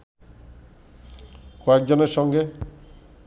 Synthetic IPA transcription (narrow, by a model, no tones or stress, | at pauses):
koek̚d͡ʑɔneɾʃɔŋɡe